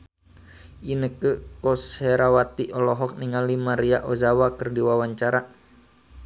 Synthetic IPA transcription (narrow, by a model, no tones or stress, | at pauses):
ʔinəkəkɔsɛɾawat̪iʔɔlɔɦɔk̚niŋalimaɾiaʔɔzawakərdiwawaɲt͡ʃaɾa